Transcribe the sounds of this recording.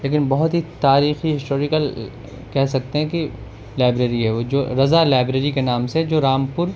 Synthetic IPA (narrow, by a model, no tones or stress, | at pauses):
leːk̬ɪnbɐɦʊt̪ɦit̪aːɾiːxiɦɪsʈoːɾɪkəl | kɛɦsɐk̚t̪eɦɛ̃ki | laːɪbɾeːɾiɦɛʋod͡ʒoːɾɐzalaːɪbɾeːɾikenaːmsed͡ʒoːɾaːmpʊɾ